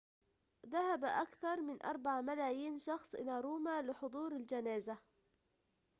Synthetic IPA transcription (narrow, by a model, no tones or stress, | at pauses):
ðahabaʔakθɑɾˤmɪnʔɑ̰ɾˤbɑʕmalaːjiːnʃɑxsˤʔɪlaːɾˤuːmaːlɪħʊd̪ˤuːɾald͡ʒanaːza